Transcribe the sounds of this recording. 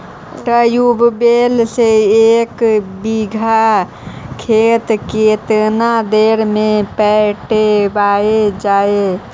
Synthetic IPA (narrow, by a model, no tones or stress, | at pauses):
ʈəjubbelseekbiɡʱa | kʰet̪ket̪nad̪eɾmẽpɛʈebaed͡ʒaːe